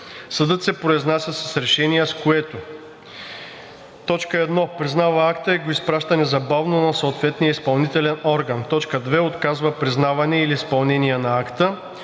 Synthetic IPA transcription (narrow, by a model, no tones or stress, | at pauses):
sɐd̪ɤt̪sɛpɾoiznasʲəsɐsɾɛʃɛniɛskoɛt̪o | t̪ɔt͡ʃkəɛd̪nɔpɾiznavɐakt̪əɛɡoispɾaʃt̪ɐnɛzɐbavnonɐsoːt̪vɛt̪nijəispɐlˠnit̪ɛlɛnɔɾɡɐnt̪ɔt͡ʃkəd̪vɛot̪kazvɐpɾiznavɐnɛiliːspɐlˠnɛniɛnɐakt̪ə